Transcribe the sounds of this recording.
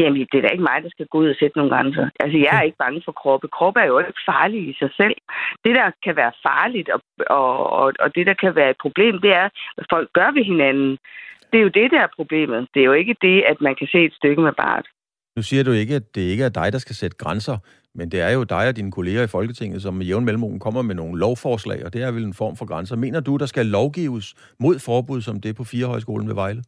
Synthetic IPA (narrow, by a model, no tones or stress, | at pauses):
jæmed̥e̝dæɐe̝ɡ̥əmɑ̈ɪd̥ɑ̈sɡ̥æɡ̥o̰ːuðˠɐsed̥əno̝ːnɡ̥ʁɑŋsɐʔæls̬əjɑ̈ɪæɐe̝ɡ̥əb̥ɑ̈ŋəfɒ̽kʰʁɒːb̥əkʰʁɒːb̥əæɐjoɡ̥fɑ̈ːliisɑ̈ɪsel̰d̥e̝d̥ɑ̈kʰæʋæːɐfɑ̈ːlid̥ɒ̽ | ɒ̽ɒɒ̽d̥e̝d̥ɑ̈kʰæʋæːɐe̝d̥̚pʰʁo̝b̥le̝̰ːmd̥e̝æɐfɒ̽l̰ɡ̥ːɶɐʋe̝ɦe̝nænn̩d̥e̝æɐjo̝d̥e̝d̥ææɐpʰʁo̝b̥le̝̰ːmð̞̩ˠd̥e̝æjoe̝ɡ̥əd̥e̝æd̥mænkʰæse̝̰ːed̥sd̥øɡ̥əmeb̥ɑ̰̈ːd̥ | nusiːɐd̥ue̝ɡ̥əæd̥e̝eɡ̥əæɐd̥ɑ̈ɪd̥ɑ̈sɡ̥æsed̥ə̥ɡ̥ʁɑnsɐ | mend̥e̝æɐjo̝d̥ɑ̈ɪɒ̽d̥inəkʰo̝le̝ːɐifɒ̽lɡ̥ət͡sʰe̝ŋ̰ð̩ˠsɒ̽mejeʊn̩melm̩o̰ːn̩kʰɒ̽m̰ɐmeno̝ːn̩lɒʊfɒːslɛ̰ɪɒ̽d̥e̝æɐʋele̝nfɒ̰ːmfɒ̽ɡ̥ʁansɐme̝̰ːnɐd̥ud̥ɑ̈sɡ̥ælɒʊɡ̥ḭːʊs | mo̝ð̞̰ˠfɒːb̥uð̰ˠsɒ̽md̥e̝ɐpʰɒ̽fiːɐɦɒ̽ɪs̬ɡ̥o̝̰ːln̩ʋe̝ʋɑ̈ɪlə